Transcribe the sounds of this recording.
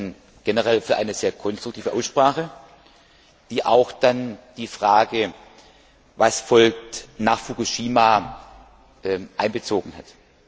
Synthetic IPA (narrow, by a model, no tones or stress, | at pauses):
n | ɡ̥enəʁɛlfyːɐʔaɪnəz̥eːɐkʰɔnstʁ̥ʊktʰiːvəʔaʊsʃpʁ̥aːχə | d̥iːʔaʊxd̥and̥iːfʁ̥aːɡə | vasfɔlk̚tnaːχfukuʃiːma | ʔɛʔaɪnbət͡soːɡŋ̩hat